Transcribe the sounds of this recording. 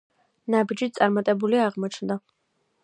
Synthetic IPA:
nabid͡ʒisʼaɾmat̪ʼɛbuliaʁmɔt͡ʃʰnd̪a

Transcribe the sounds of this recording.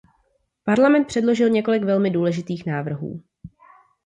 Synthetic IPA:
paɾlamɛnt̪̚pr̥ɛdlo̞ʒɪlɲɛko̞lɪkvɛlmɪduːlɛʒɪt̪iːxnaːvr̩ɦṵː

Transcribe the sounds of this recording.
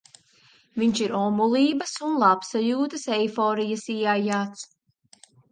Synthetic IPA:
viɲʃiɾɔmulˠiːbɐsunlˠapsajuːt̪ɐsɛjfɔːɾijɐsiajaːt̪s

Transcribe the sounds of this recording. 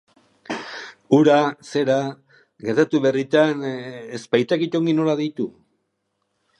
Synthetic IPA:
uɾase̞ɾa | ɡe̞ɾt̪at̪uβerit̪anespajt̪akit̪o̞ŋɡino̞laðit̪u

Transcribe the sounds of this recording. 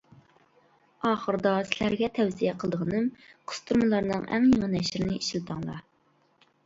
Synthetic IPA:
ɑːχəɾɨd̪ɑsɪlæɾɡʲɛt̪ʰɛwzijɛqʰəlˠd̪əʁənɨmqʰʊ̥st̪ʰuɾmɨlˠɑɾnɨ̰ŋæ̰ŋjeŋənɛʃɪɾɪnɪiʃilɨt̪ʰɨŋlˠɑ̰

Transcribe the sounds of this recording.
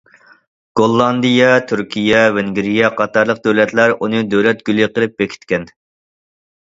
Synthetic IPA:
ɡ̥olˠːɑnd̪ijɛt̪ʰyɾkʲʰijɛvɪŋɡʲɾijɛqʰɑt̪ɑɾlˠəq̚d̪øwlɛt̪læɾunɨd̪øwlɛt̪̚ɡ̥ʲylɪqəlˠɨp̚bekʲʰi̥t̪kʲɛn

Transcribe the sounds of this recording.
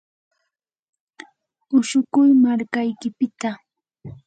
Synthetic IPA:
ʊʃʊkʊjmaɾkajkɪpɪt̪a

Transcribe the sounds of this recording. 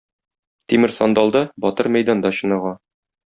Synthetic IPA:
t̪imɘɾsɒnd̪ɑlˠd̪ɤbɒt̪ɤɾmæjd̪ɑnd̪ɑɕɤ̆nɑʁɑ

